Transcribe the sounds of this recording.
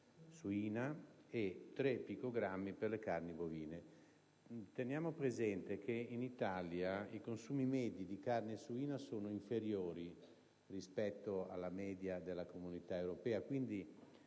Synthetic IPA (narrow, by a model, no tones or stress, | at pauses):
suiːnaet̪ːɾepːikoɡɾamːiperlekarniboviːne | t̪enjaːmopɾezɛnt̪ekʰeinit̪aljaikonsuːmimɛːd̪jid̪ikarnesuiːnasoːnoiɱfeɾjoːɾi | rispɛt̪ːoa̰lːamɛːd̪jad̪elːakomunit̪aewɾopɛːakwind̪i